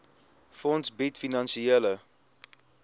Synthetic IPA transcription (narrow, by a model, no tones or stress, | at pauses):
fɔntsbitfinɑnsieələ